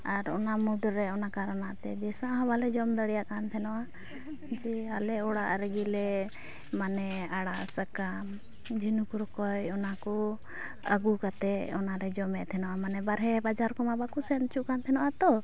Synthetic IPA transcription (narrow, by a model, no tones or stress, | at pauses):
aɾɔnamud̪ɾːɛɔnakaɾanaʔt̪ɛbɛsaʔɦɔbalɛd͡ʒɔmd̪əɽijaʔkant̪ʰɛnɔʔa | d͡ʒɛalɛɔɽaʔɾɛɡilɛ | manɛaɽaʔsəkam | d͡ʒinukuɾɔkɔjɔnakɔ | aɡukat̪ɛɔnaɾɛd͡ʒɔmɛʔt̪ʰɛnɔʔamanɛbaɾɦɛbad͡ʒaɾkɔmabakusɛnt͡ʃuʔkant̪ʰɛnɔʔat̪ɔ